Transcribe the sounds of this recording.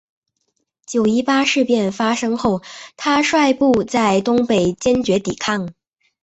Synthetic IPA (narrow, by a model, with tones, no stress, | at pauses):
t͡ɕjo˨˩ʊi˥pa˥ʂɻ̩˥˧pjɛ˥˩nfa˥ʂɤ˥ŋxo˥˩ʊt̪ʰa˥ʂwa˥˧ɪpu˥˧t͡sa˥˩ɪt̪ʊ˥ŋpe˨˩ɪt͡ɕjɛ˥nt͡ɕɥɛ˧˥t̪i˨˩kʰɑ˥˩ŋ